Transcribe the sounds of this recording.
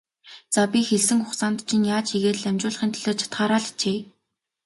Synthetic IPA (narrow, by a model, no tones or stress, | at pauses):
t͡sapʲixeɮsɘ̆ŋxʊχsaːnt̪t͡ɕʰɪ̆njaːt͡ɕʰiɣeːtɮæmʲt͡ɕʊːɮə̆χĭnt̪ʰiɮoːt͡ɕʰḁt̪χaːɾaːɮt͡ɕʰeː